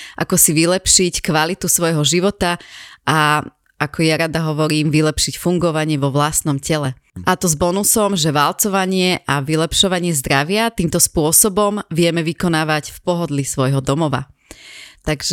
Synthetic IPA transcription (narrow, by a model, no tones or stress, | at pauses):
ʔa̰kɔsiʋilɛpʃickʋalit̪usʋɔjɦɔʒiʋɔt̪aa | ʔakʰɔjaɾad̪aɦɔʋɔɾiːmʋilɛpʃicfuŋɡɔʋaɲɪɛʋɔʋlast̪nɔmcɛlɛ | ʔat̪ɔzbɔnusɔmʒɛʋalt͡sɔʋaɲɪɛʔaʋilɛpʃɔʋaɲɪɛzd̪ɾaʋɪat̪iːmt̪ɔspʊɔsɔbɔmʋɪɛmɛʋikɔnaːʋaɟfpɔɦɔd̪lisʋɔjɦɔd̪ɔmɔʋa̰ | t̪aɡʒ